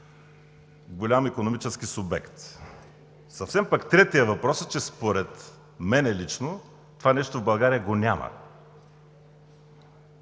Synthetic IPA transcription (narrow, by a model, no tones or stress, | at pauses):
ɡolʲamikonomit͡ʃɛskisʊbɛ̰kt̪ | sɐfsɛmpakt̪ɾɛt̪ijəvɐpɾɔsət͡ʃɛspoɾɛt̪ | mɛnɛlit͡ʃno | t̪ovanɛʃt̪ovbɐlˠɡaɾijəɡonʲamə̰